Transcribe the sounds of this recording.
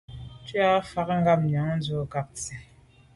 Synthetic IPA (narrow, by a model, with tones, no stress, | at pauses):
t͡ʃi˦a˦fa˦kŋ˦ɡa˦˨mɲ˨a˨˦ŋ˦n̩˦zo˦ka˦˨k̚t͡si˨